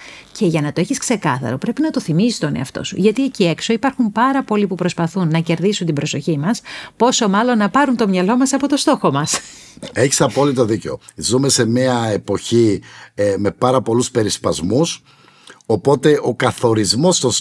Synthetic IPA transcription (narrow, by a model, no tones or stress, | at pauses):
ce̞ʝɐnɐt̪o̞eçiskse̞kɐθɐ̰ɾo̞pɾe̞pinɐt̪o̞θimisi̥st̪o̞ne̞̰ɐft̪o̞̰sṵʝɐt̪iecie̞kso̞ipɐɾxumpɐɾɐpo̞lipupɾo̞spɐθunːɐce̞ɾðisunt̪ibɾo̞so̞çimɐspo̞so̞mɐlo̞nːɐpɐɾunt̪o̞mɲɐlo̞mɐsɐpo̞t̪o̞st̪o̞xo̞mɐse̞çi̥sɐpo̞lit̪oðiceo̞̰ | zume̞se̞miɐe̞po̞çi | me̞pɐɾɐpo̞luspe̞ɾispɐzmus | o̞po̞t̪e̞ʔo̞kɐθo̞ɾizmo̞st̪o